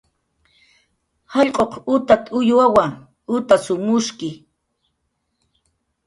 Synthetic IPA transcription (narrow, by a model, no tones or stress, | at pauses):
hɑʎqʼoqʊt̪at̪ʼʊjwawaŋ | ʊt̪asʊmʊʃkɪ